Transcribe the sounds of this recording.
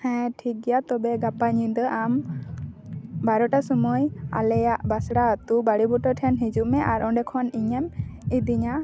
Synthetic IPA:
hɛ̃ʈʰik̚ɡɛjat̪ɔbɛɡapaɲid̪əʔam | baɾɔʈasɔmuja̰lɛjaʔbasɽaat̪ubaɽibɔʈɔʈʰɛnɦid͡ʒuʔmɛʔaɾɔ̃ɖɛkʰɔniɲɛmid̪iɲa

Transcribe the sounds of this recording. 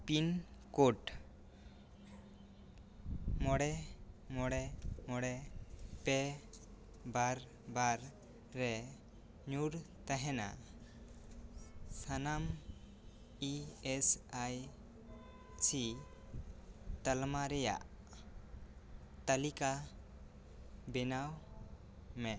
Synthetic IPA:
pinkoʈ | mɔɽɛmɔɽɛmɔɽɛpɛ | baɾ | baɾː | ɛ | ɲuɽt̪aɦɛna̰ | sanam | iɛsaj | t͡ʃi | t̪əlmaɾɛja̰ʔ | t̪alika | bɛnaw | mɛ

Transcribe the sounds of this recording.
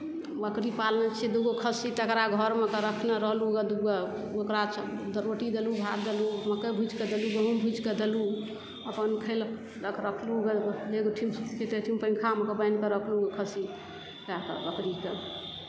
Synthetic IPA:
bəkɾipalnət͡ʃʰid̪uɡokʰəsit̪əkɾaɡʱəɾmekəɾəkʰneɾəɦluɡəd̪uɡe | okɾat͡ʃʰd̪əɾoʈid̪elubʱat̪d̪eluməkebʱud͡ʒked̪eluɡəɦũmbʱud͡ʒked̪elu | əpənkʰel | d̪əkɾəkʰluɡəeɡoʈʰimkʰet̪eʈʰimpə̃ɪŋkʰamekebəjnkəɾəkʰluɡkʰəsi | kakə̰bəkɾike

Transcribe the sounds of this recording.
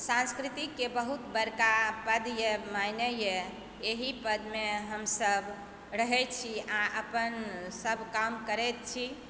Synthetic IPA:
sãnskɾit̪ikːebəɦut̪bəɾkapəd̪jemajnəje | eɦipəd̪meɦəmsəb | ɾəɦɛt͡ʃʰiaʔəpənsəbʱkamkəɾɛt̪̚t͡ʃʰi

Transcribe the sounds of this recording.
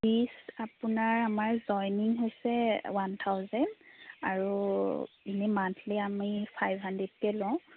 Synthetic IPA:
pisapunaɹamaɹzɔjniŋɦojsɛwant̪ʰawzɛndaɹu | inimantʰlɛamipʰajbʱɦandɹɛd̚kɛlɔ̃ʊ̃

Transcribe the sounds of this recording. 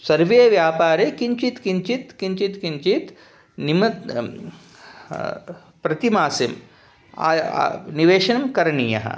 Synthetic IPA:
sɐɾʋeːɐʋjaːpaːɾekiɲt͡ʃit̪kiɲt͡ʃit̪kiɲt͡ʃit̪kiɲt͡ʃit̪ | nimɐt̪ | pɾɐt̪imaːsim̰ː | niʋeːʃɐnɐmkɐɾɐɳijɐ̰ɦɐ̰

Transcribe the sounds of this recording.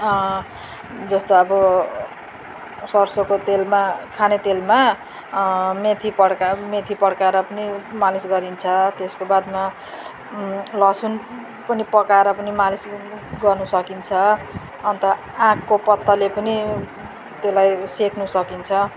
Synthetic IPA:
d͡zʌst̪oʌbʌ | sʌrsokot̪elmakʰanet̪elma | met̪ʰipʌɽkamet̪ʰipʌɽkaɾʌpʌnimalisɡʌɾint͡sʰʌt̪eskobad̪ma | lʌsun | pʌnipʌkaeɾʌpʌnimalisɡʌrnusʌkint͡sʰʌː | nt̪ʌ | ãkːopʌt̪ːʌlepʌni | t̪elajsekʰnusʌkint͡sʰʌ

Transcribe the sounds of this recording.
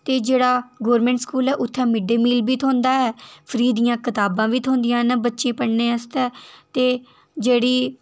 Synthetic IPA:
t̪eːd͡ʒeːɽaːɡoːɾmɛ̃ːɳʈskuːlɛːʔʊt̪ʰːɛ̃ːmɪɖeːmiːlbiːt̪ʰõːnd̪aːɛːpʰəɾiːd̪ijãːkɪt̪aːbãːʋiːt̪ʰõːnd̪ɪjãːnəbətːʃẽːpəɽneːəst̪ɛːt̪eː | d͡ʒeːɽiː

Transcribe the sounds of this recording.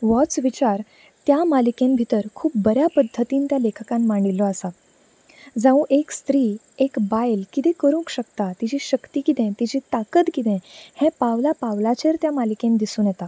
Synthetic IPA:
ʋɔt͡sʋit͡ɕaɾ | t̪jamalikẽmbʱit̪əɾkʰuːp̚bəɾjapəd̪ʱːət̪iːnt̪jalekʰəkãnmaɳɖilːɔasa | d͡zaʋũʔekst̪ɾiː | ekbajlkit̪ẽkəɾũŋkɕəkt̪at̪id͡ʑiːɕəkt̪iːkit̪ɛ̃t̪id͡ʑiːt̪akət̪kit̪ɛ̃hɛ̃pawlapawlat͡ɕeɾt̪jamalikẽnd̪isuːnjɛt̪a

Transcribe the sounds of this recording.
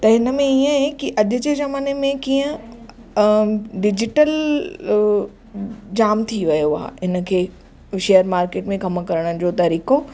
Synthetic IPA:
t̪ɐɦɪnə̆mẽiə̃ɦekiʔɐʄʊ̆d͡ʑeːzɐmaːnemẽkiːə̃ | ɖɪd͡ʑɪʈəl | d͡ʑaːmt̪ʰiʋɐjoa̰ːɦɦɪnə̆kʰeː | ʃeːjəɾmaːɾkeːʈmẽɡɐm̆kɐɾəɽ̃ʊd͡ʑoːt̪ɐɾiːko

